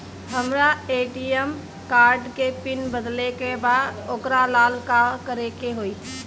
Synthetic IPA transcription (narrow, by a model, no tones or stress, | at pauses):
ɦəmɾaeːʈiəm | kaːɾɖkepɪnbəd̪lekebaːd̪okɾalaːlkakəɾekeɦoːiː